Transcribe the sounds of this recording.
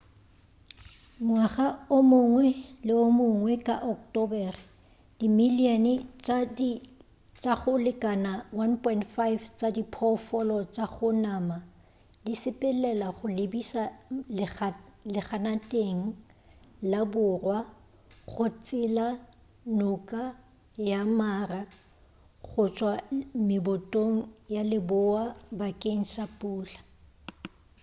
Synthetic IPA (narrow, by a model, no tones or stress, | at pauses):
mwaχaʊmʊŋwɛlɪʊmʊŋwɛkʼa̰ʔɔktʼɔbɛrɪ | d̥imiliɔnɪt͡ʃʼad | t͡ʃʼaχʊlɪkʼanawanpʰʼɔintfajft͡sʼadipʰɔfɔlɔt͡ʃʼaχʊnama | disɪpʼɪlɛlaχʊlebisa | lɪχanatʼeŋ̩ | labʊrwa | χʊt͡sʼɪla | nʊkʼa | jamaːra | ɣʊt͡ʃʼwamɪbʊtʼoŋ̩jalɪbʊabakʼeŋ̩ʃapʼuːla